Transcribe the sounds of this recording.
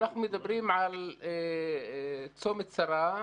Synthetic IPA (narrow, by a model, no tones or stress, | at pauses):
naħnʊmjɪd̪abɾiːmʕal | t͡sːoːmɪt̪sɑɾˤɑː